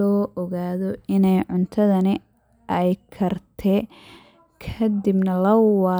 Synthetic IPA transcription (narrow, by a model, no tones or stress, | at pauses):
ɔːʔɔɣaːðɔɪnɛjʕʊnt̪ʰɐðɐnɪ | ʔɛjkʰɐrt̪ʰɛ | kʰɐd̪ɪbnɐlɐwɑ